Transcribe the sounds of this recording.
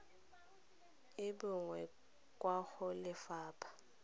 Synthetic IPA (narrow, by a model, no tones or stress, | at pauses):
ɪbʊŋwɛ | kʼwaxʊlɪfaːpʰḁ